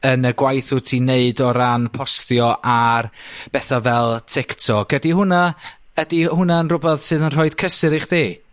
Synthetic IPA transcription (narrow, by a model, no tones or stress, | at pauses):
ənəɡwajθʊtʰineɨdɔɾanpʰɔstjɔʔarb̥ɛθavɛlˠtʰɪktʰɔɡ̥ədihʊna | ədihʊnaənrʊbɛðsɨːðənr̥ɔɨd̥kʰəsɨɾiχd̥iː